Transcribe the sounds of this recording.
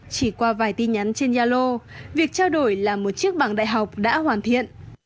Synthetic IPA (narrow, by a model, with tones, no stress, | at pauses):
t͡ɕi˧˩kwaː˧vaː˨˩jt̪i˧ɲa˨˦nt͡ɕe˧nzaː˧lo˧vi˨˩ək̚t͡ɕaː˧wɗo˧˩jlaː˨˩mo˨˩t̚t͡ɕi˦˥ək̚ɓaː˧˩ŋɗa̰ː˧˨jɦa˨˩wk͡p̚ɗa̰ː˧˥ɦwaː˨˩nt̪ʰḭ˧˨ən